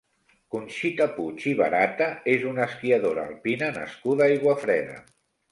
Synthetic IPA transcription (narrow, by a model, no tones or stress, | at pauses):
kunʃit̪əput͡ʃiβ̞ə̰ɾat̪əezunəskiəðoɾa̰ːlˠpinənə̰skuðaajɣwəfɾɛðə̰